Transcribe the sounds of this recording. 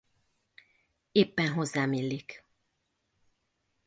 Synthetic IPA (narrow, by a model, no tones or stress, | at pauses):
eːpːɛnɦozːaːmilːik